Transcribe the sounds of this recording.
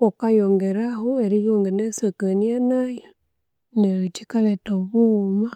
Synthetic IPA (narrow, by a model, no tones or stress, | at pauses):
okajoŋɡeɾaɦoeɾijoŋɡenesekanianajɔ | neɾit͡ʃikalɛtoβuma